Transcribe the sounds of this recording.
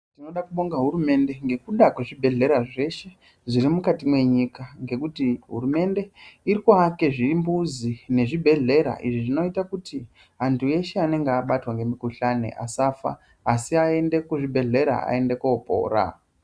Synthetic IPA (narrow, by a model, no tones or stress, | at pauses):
tino̞ɗakuɓo̞ŋɡaɦuɾume̞nde̞ŋɡe̞kuɗakweʐibʱe̞ɮe̞ɾaʐe̞ʃe̞ | ʐiɾimukatimwe̞ɲikaŋɡe̞kutiɦṵɾume̞nde̞iɾikoake̞ʐimbuzine̞ʐibʱe̞ɮe̞ɾa̰ʔiʐiʐino̞itakuti | ɦantʰuje̞ʃeane̞ŋɡeaɓatwaŋɡe̞mikuɬanḛʔa̰safa̰ː | siae̞nde̞kuʐibʱe̞ɮe̞ɾa̰a̰e̞nde̞kuopo̰ːra̰